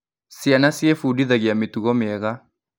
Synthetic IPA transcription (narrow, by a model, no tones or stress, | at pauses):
sianasjɛfudiðaɣeametuɣɔmɪɛɣa